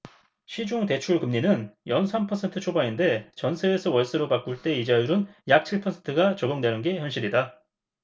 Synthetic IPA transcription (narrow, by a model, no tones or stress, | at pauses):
ɕʰid͡ʑoŋte̞t͡ɕʰuɭkɯmɲinɯnjʌnsʰampʰʌsʰe̞ntʰɯt͡ɕʰobainde̞t͡ɕʌnsʰeːsʰʌwʌɭs͈ɯɾopak͈uɭt͈e̞id͡ʑajuɾɯnjak̚t͡ɕʰiɭpʰʌsʰentʰɯɡat͡ɕʌɡjoŋdwe̞nɯnɡe̞çjʌnɕ͈ʰiɾida